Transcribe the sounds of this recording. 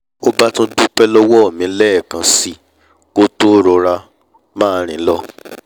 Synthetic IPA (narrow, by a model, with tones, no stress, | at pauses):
o˦ba˦tũ˦dũ˦k͡pɛ˦lɔ˦wɔ˦ɔ˦˨mĩ˨˧˦lɛ˦˨kã˧si˧ | ko˦to˦ɾɔ˧ɾa˧ | mãː˦˨˦ɾ̃ĩ˨˦lɔ˦